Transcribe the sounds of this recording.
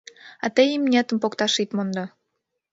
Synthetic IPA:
ɑt̪ejimnʲet̪ə̆mpokt̪ɑʃit̪mond̪o

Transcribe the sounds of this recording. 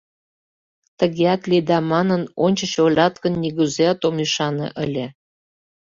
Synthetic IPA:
t̪ə̆ɣeæt̪lid̪ɑmɑnə̆nonʲt͡ɕə̆t͡ɕolʲɑt̪kə̆nːiɣuzeɑt̪omiʃɑnɤ̰ʔə̆lʲĕ

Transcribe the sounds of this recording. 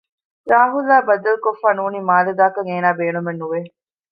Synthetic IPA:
ɾaːɦulːaːbɐd̪ɐlkofːaːnuːniːmaːlɐd̪aːkɐŋeːnaːbeːnumenːuʋe

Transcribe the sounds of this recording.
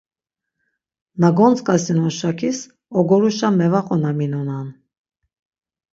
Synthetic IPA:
naɡɔnt͡sʼkʼasinɔʃakʰis | ɔɡɔɾuʃamɛvaχʼɔnaminɔnan

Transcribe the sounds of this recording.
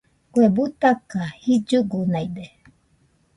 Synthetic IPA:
kuebut̪akahid͡ʒuɡunajd̪e

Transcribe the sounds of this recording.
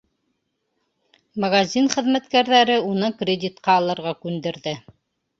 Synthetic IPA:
mɐɡazʲinχɘ̆ðmæt̪kæɾðæɾɘunɤkrʲɪdʲit̪qɑːlˠɤ̆ɾʁɑkʉnd̪ɘ̆ɾðɘ

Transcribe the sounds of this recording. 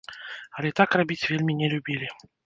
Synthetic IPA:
alʲɛt̪akrabʲit͡sʲvʲelʲmʲinʲɛlʲubʲilʲɪ

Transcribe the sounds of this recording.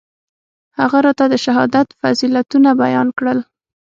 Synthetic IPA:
haɣaɾɑt̪ad̪əʃaɦɑd̪at̪fazilat̪unabajɑnkɽəl

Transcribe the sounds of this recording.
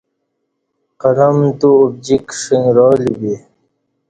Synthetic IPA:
qɐɾɐmt̪uːb̚d͡ʑikʂiŋɾɑːlibi

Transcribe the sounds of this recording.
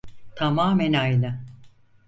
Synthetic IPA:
t̪ʰamaːmɛnajlɯ

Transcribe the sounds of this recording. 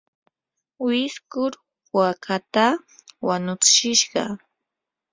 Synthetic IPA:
wɪskʊɾ | wakʰat̪a | wanʊt͡sɪ̥ʃɪʃɢɑ̰

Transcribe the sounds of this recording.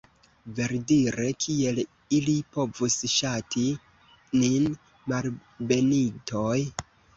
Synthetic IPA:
ve̞ɾdiɾe̞kʰie̞l | ilipo̞vusʃatʰi | nin | malbe̞nitoj

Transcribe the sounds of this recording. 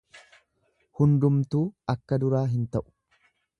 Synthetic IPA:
hʊnd̪ʊmt̪uːɐkːɐd̪ʊɾaːɦɪnt̪ɐʔʊ̥

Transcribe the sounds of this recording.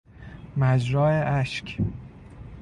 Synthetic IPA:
mæd͡ʒɾɒːeʔæʃkʰ

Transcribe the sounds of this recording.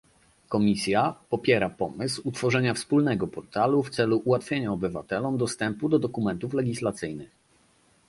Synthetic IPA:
kɔmʲisʲjapɔpʲjɛɾapɔmɘswut̪fɔʐɛɲafspulnɛɡɔpɔɾt̪aluft̪sɛluʔuwat̪fʲjeɲaɔbɘva̰t̪ɛlɔmd̪ɔst̪ɛmpud̪ɔd̪ɔkumɛnt̪uflɛɡʲislat̪sɘjnɘx

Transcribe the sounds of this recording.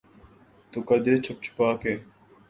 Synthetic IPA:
t̪ukɐd̪eːt͡ɕʰɐp̚t͡ʃʰu̥paːkeː

